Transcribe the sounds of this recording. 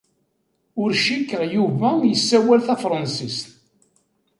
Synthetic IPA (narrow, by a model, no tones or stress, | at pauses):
ʊɾʃikːəʁjuvæjəsːæwælθæfɾˤɑnsist̪